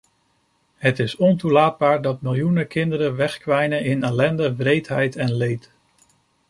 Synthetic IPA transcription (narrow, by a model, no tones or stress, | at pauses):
ɦətɪsɔntulaːd̚baːɹdɑt̚mɪlˠjunəkɪndəɾəʋɛχkʋɛjnəɪnɛlɛndəvrejtɦɛjtɛnlejt